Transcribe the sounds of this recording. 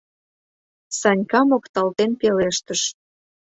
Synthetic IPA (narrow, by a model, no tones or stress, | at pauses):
sɑnʲkɑmokt̪ɑlt̪enpeleʃt̪əʃ